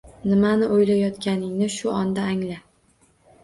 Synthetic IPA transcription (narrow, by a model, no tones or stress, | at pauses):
nɪmanɪʔojlajɒt̪kʲʰanɪŋnɪʃʊʔɒnd̪aːŋla